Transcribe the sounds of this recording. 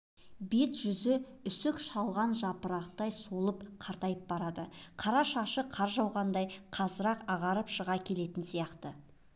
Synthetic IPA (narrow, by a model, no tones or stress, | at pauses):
be̞t̪ʒʏzɪʏsɪkʃɑlˠʁɑnʒɑpəɾɑqt̪ɑjsolˠəpqʰɑɾt̪ɑjəp̚bɑɾɑd̪əqʰɑɾɑʃɑʃəqʰɑɾʒɑwʁɑnd̪ɑjqʰɑzəɾɑqɑʁɑɾəpʃəʁɑkʲʰe̞le̞t̪ɪnsijɑqt̪ə